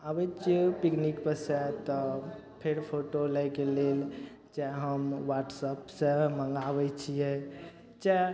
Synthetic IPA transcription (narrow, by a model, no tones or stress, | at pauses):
abət͡ʃʰipiknikpəsɛt̪ɔ | pʰeɾpʰoʈoləjkelel | d͡ʒaɦəmʋaʈsəpsəməŋɡabɛt͡ʃʰijɛ | t͡ʃa